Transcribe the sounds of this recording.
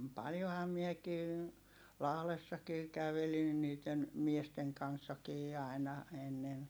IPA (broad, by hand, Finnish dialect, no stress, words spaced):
pɑljohɑm miekiː lɑhlesːɑkiː kæʋelin niːtˑen miesteŋ kɑnsːɑkiː ɑˑi̯nɑ enːen